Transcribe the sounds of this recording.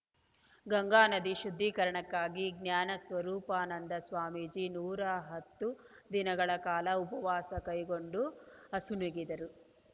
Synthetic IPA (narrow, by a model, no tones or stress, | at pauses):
ɡɐŋɡaːnɐd̪iʃud̪ʱːiːkɐɾɐɳɐkːaːɡiɡnjaːnɐsʋɐɾuːpaːnɐnd̪ɐsʋaːmid͡ʒinuːɾɐɦɐt̪ːud̪inɐɡɐɭɐkaːlɐupɐʋaːsɐkɐjɡo̞ɳɖuɐsunuɡid̪ɐɾu